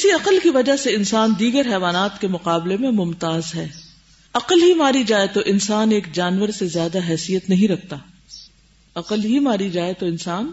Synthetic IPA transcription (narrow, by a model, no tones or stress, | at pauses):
kɪsiɐqəlkiʋɐd͡ʒaseɪnsaːnd̪iːɡəɾɦɛːʋaːnaːt̪kemʊqaːblemẽmʊmt̪aːzɦɛː | ɐqəlɦimaːɾid͡ʒaːet̪oʔɪnsaːneːkd͡ʒaːnʋəɾsezjaːd̪aɦɛːsijət̪nɐɦĩɾɐk̚ʰt̪aː | ɐqəlɦimaːɾid͡ʒaːet̪oɪnsaːn